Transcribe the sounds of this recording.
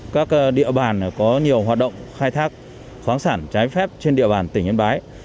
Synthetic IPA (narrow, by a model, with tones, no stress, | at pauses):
kaː˦˥k̚ɗḭ˧˨əɓaː˨˩n˩kɔ˨˦ɲi˨˩əwɦwaː˨˩t̚ɗə̰˧˨wŋ͡mxaː˧jt̪ʰaː˦˥k̚ | xwaː˨˦nsaː˧˩nt͡ɕaː˨˦jfɛ˦˥p̚t͡ɕe˧nɗḭ˧˨ɓaː˨˩nt̪ï˧˩ŋ̟ɲə˧nɓaː˨˦j